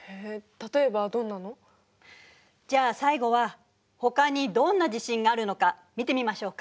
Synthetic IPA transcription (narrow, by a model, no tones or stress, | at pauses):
het̪at̪o̞ebad̪õ̞nːano̞ | d͡ʑaːsaiɡo̞βa | ho̞kaɲ̟id̪õ̞nːaʑiɕĩŋɡaːɾɯ̟no̞kamʲit̪e̞mʲimaɕo̞ːkḁ